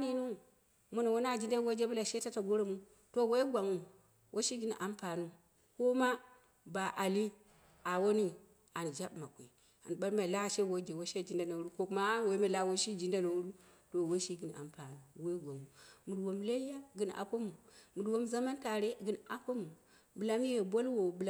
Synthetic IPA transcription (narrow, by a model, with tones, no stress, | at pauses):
ni˦nu˦ | mu˦na˨wo˦na˦˨d͡ʒi˦nda˦wo˦d͡ʒe˦bu˦la˨ʃe˦ta˦ta˨ɡo˦ɾo˦mu˦ | to˦˨we˦i˦ɡʷa˨ŋu˨ | wʔo˦ʃi˦ɡi˦n˨ʔa˨mpa˨nu˦ | ko˦ma˦ | ba˨ʔa˨li˦ | a˨wo˦ni˦ | a˨n˨d͡ʒa˦ɓma˨kʷi˨ | a̰˨n˨ɓa˦lma˨i˨la˦˨ʃe˦wo˦d͡ʒe˨wo˦ʃe˦˨d͡ʒi˦nda˦na˨u˦ɾu˦ko˦ku˦ma˦we˦ma˨la˦wo˦ʃi˦d͡ʒi˦nda˦na˨u˦ɾu˦to˨wo˦ʃi˦ɡi˨n˨a̰˨mpa˨nu˦˨we˦i˦ɡʷa˨ŋu˨mu˨dwo˨mla˦i˦ja˦ɡɨ˨na̰˨po˦mu˨mu˨dwo˦mza˦ma˦nta˨ɾe˦ɡɨ˨˦na˨po˦mu˨ | bɨ˨la˦m˦je˨bo˦lwo˨bɨ˨l